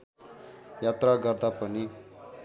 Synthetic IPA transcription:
jat̪raɡʌrd̪apʌni

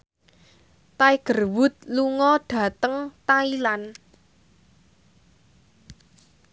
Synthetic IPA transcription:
t̪aiɡ̥ə̤rwʊt̪̚luŋɔɖ̥ä̤t̪əŋt̪ailan

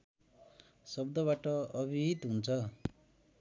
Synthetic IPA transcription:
sʌbd̪ʌβaʈʌʌbʱiit̪ɦunt͡sʰʌ

